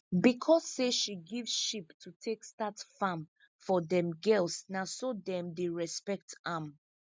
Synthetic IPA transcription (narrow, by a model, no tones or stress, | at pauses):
bikʰɔsːeʃiɡivʃiptʰutʰekstatfãm | fɔdɛ̃mɡɛlsnasodɛ̃mdeɹɛspɛk̚tãm